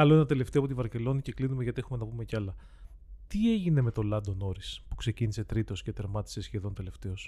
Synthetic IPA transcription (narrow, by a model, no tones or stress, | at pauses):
ɐlo̞enɐt̪e̞le̞ft̪eɐpot̪ivɐɾce̞lo̞nice̞klinumeʝɐt̪iexume̞nɐpume̞ceɐlɐ | t̪ieʝine̞me̞t̪o̞lɐnd̪o̞no̞ɾispu̥kse̞cinise̞t̪ɾit̪o̞sce̞t̪e̞ɾmɐt̪i̥se̞sçe̞ðo̞nt̪e̞le̞ft̪e̞o̞s